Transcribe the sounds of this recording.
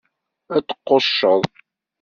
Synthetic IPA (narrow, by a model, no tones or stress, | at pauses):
æt͡sːə̥qːoʃːəðˤ